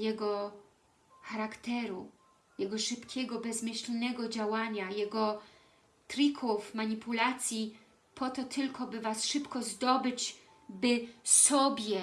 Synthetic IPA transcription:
jɛɡɔ | xaɾakt̪ɛɾu | jɛɡɔʂɘpkʲɛɡɔbɛzmɘɕlʲnɛɡɔd͡ʑawaɲajɛɡɔ | t̪ɾikʰufmaɲipulat̪sʲji | pʰɔt̪ɔt̪ʰɘlkʰɔbɘvasʂɘpkɔzd̪ɔbɘt͡ɕ | bɘsɔbʲjɛ

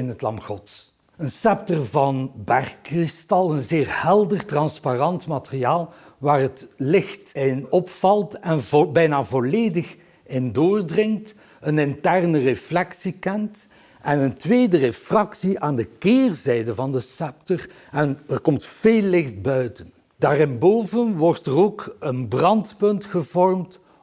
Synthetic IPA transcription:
ɪnɦətlɑ̰mxɔts | ənsɛp̚tərvɑnbɛrkːrɪstɑlˠənzɪːrhɛlˠdərtrɑnsparɑntmatəriaːlˠ | ʋaːrɦətlɪxtɪnɔpfɑlˠtɛnvbɛjnaːvɔleːdəx | ɪndoːrdrɪŋt | ənɪntɛrnəreflɛksikɛnt | ɛnəntʋeːdərefrɑksiʔaːndəkɪːrzɛjdəvɑndəsɛp̚tɔr | ɛnərkɔmtfeːlːɪxt̚bœɥtən | d̥aːrɪnboːvənʋɔrtəroːkənbrɑntpɵntxəvɔrmt

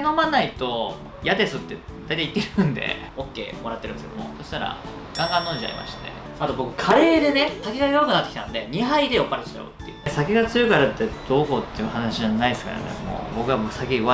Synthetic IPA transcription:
no̞manːait̪o̞ | jad̪e̞sɨt̪ːe̞ | d̪ajt̪ait̪ːeɾɯ̃nd̪e̞̰ | okːe̞̰ːmoɾat̪ːeɾɯ̟neskedomo̞̰so̞ɕi̥t̪aɾa̰ | ɡ̥ãŋɡãnːõ̞ːɲd͡ʑia̰ɾʲḭma̰ɕi̥t̪e̞̰ | soat̪o̞bo̞kɯ̟̥kʰaɾe̞ːd̪e̞nesakʲeɡajoakɯnat̪ːekʲit̪and̪eɲ̟iɦaid̪e̞jo̞pːaɾet̪st͡ɕa̰o̰t̪ːejɯ̟sakʲeɡat͡sɨjokaɾat̪ːe̞d̪̥o̞ːkoːt̪ːe̞jɯ̟hanaɕianaid̪esɨ̥ka̰ɾa̰nḛmo̰ːbo̞kɯ̟βaboksakʲeɯβa

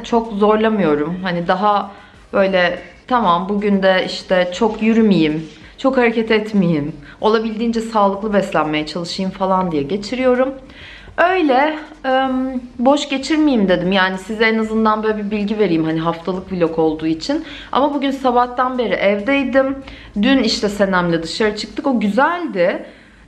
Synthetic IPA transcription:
t͡ʃʰo̞kzo̞ɾlˠamɯjo̞ɾumhanid̪aɦa | bø̞jlʲɛt̪ʰamambuɟynd̪ɛiʃt̪ʰɛt͡ʃʰo̞kjyɾymijim | t͡ʃʰo̞khaɾecʰɛt̪ɛt̪mijim | o̞lˠabilʲd̪iːnd͡ʒɛsaːlˠɯklˠɯbɛslʲænme̞jɛt͡ʃʰalˠɯʃɯjɯmfalˠand̪ijɛɟe̞t͡ʃʰiɾijo̞ɾum | ø̞jlʲɛ | mbo̞ʃɟe̞t͡ʃʰiɾmijimd̪e̞d̪imjaːnisizɛenazɯnd̪anbøːlʲɛbibilʲɟive̞ɾijimɦaniɦaft̪ʰalˠɯk̚bilʲo̞ko̞lˠd̪uːit͡ʃʰin | a̰mabuɟynsabaht̪ʰanbe̞ɾiʔɛvd̪ɛjd̪im | d̪yniʃt̪ʰɛse̞næmlʲɛd̪ɯʃaɾɯt͡ʃʰɯ̥k̚t̪ʰɯko̞ɟyzælʲd̪ɪ

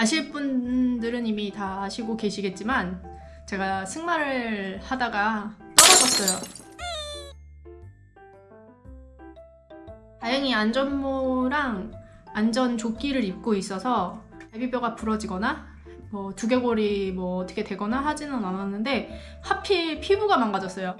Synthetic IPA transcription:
aɕʰiɭp͈undɯɾɯnimitaːɕʰiɡoke̞ɕʰiɡe̞t̚t͡ɕ͈iman | t͡ɕe̞ɡasʰɯŋmaɾɯhadaɡat͈ʌɾad͡ʑʌs͈ʌjo | tajʌŋiand͡ʑʌnmoɾaŋ | and͡ʑʌnt͡ɕok͈iɾɯɾip̚k͈ois͈ʌsʰʌabibjoɡapuɾʌd͡ʑiɡʌna | mwʌtuɡjʌɡoɾimwʌːtʰʌ̥kʰe̞twe̞ɡʌnaɦad͡ʑinɯnanwʌnːɯnde̞ | hapʰipʰibuɡamaŋɡad͡ʑʌs͈ʌjo

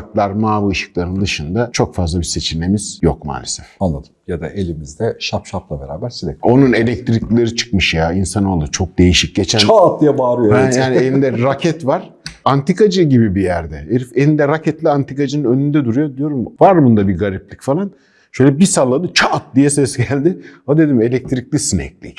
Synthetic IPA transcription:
k̪lˠaɾmaːvɯɯʃɯ̥klˠaɾɯnd̪ɯʃɯnd̪at͡ʃʰo̞kfazlˠabise̞t͡ʃʰinːe̞miz̥jokma̰ːlʲesɛfanlˠad̪ɯ̥mjad̪a̰ʔe̞lʲimizd̪ɛʃapʃaplˠabeɾa̰ːbæɾsid̪ɛ̰o̞nune̞lʲɛc̚t̪ɾiclʲeɾɯt͡ʃʰɯ̥kmɯʃjaːinsano̞lˠut͡ʃʰo̞k̚d̪e̞jiʃic̚ɟe̞t͡ʃʰænat̚d̪ijɛbaːɾɯjoɛjaːnielʲimd̪ɛɾacʰɛt̪vaɾ̥ | ant̪ikad͡ʒɯɟibibijæɾd̪ɛeɾifeind̪ɛɾacʰɛt̪lʲiant̪ʰikad͡ʒɯnɯnønynd̪ɛd̪uɾujo̞d̪ijo̞ɾumvaɾbund̪abiɡaɾip̚lʲicfalˠan | ʃø̞jlʲɛbisalˠːad̪ɯt͡ʃʰaːt̪̚d̪ijɛsɛsɟælʲd̪ɪad̪e̞d̪ime̞lʲɛc̚t̪ʰɾiclʲisinɛ̰clʲḭc

